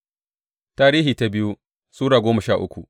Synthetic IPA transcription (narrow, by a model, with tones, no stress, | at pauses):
taː˦ɾiː˦hiː˨ta˦bɪ˦ju˦ | suː˦ɽaː˨ɡʷoː˦mɐ˨ʃaː˦˨ʔʊ˦kʷu˨ʔ